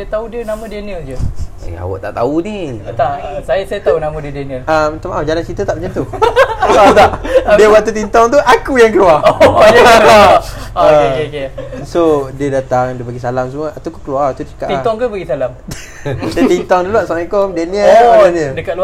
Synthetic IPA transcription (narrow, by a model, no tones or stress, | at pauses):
sajət̪audiənamə̃dəniəld͡ʒə | ḛa̰wa̰ʔt̪a̰ʔt̪a̰unit̪asajasajat̪aunamə̃diədieniəamt̪amaʔad͡ʒalant͡ʃit̪ət̪aʔbət͡ʃənt̪u | t̪aʔdiəwaʔt̪ut̪int̪ɔŋt̪uʔakujaŋkəlua | aaekekesodiədat̪aŋdiəpaɡisalams̬əmuəʔat̪akukəluat̪ut͡ʃə̥kaʔ̪it̪ɔŋkəbaɡisalamd | diət̪int̪ɔŋdulaʔsamikomdeniəaanədəkalu